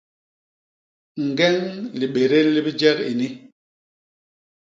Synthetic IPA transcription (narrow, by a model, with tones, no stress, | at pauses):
ŋ̩˨ɡɛ˦ŋli˨ɓe˨ɾe˦li˦bi˦d͡ʒɛ˦kḭ˨ni˦